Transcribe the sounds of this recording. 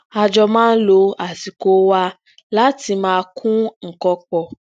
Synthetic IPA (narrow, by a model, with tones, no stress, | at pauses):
a˧d͡ʒɔ˧mãː˦n̩˦lo˧a˨si˨ko˨˦wa˧ | la˦ti˧mãː˧kʰũ˦ŋ̩˨kɔ˧k͡pɔ˧